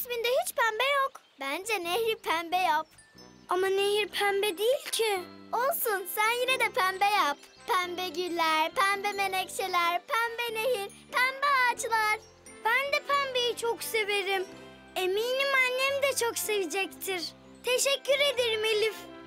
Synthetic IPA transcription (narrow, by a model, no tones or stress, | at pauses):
smind̪ɛhit͡ʃpʰæmbɛjok | bænd͡ʒɛnɛhɾipʰæmbɛjap̚ | amaneɦiɾpʰæmbɛd̪ijilʲcʰiolˠsunsænjinɛd̪ɛpʰæmbɛjap | pʰæmbɛɟilʲːæɾ̥pʰæmbɛmenɛct͡ʃʰelʲæɾpʰæmbɛneɦiɾ | pʰæmbɛat͡ʃlˠaɾ̥ | b̥ænd̪ɛpʰæmbejit͡ʃʰokse̞veɾim | emiːnimanːɛmd̪ɛt͡ʃʰokse̞vid͡ʒɛct̪ʰiɾ | t̪ʰeʃɛcʰːyɾe̞d̪eɾimelʲif